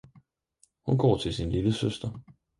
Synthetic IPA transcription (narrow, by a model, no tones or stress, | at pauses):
hunɡ̥ɒ̰ːt͡sʰe̝lsinliləsøsd̥ɐ